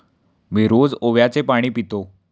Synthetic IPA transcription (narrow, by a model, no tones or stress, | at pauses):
ʋeɾod͡zoʋjat͡sepaɽ̃iːpit̪o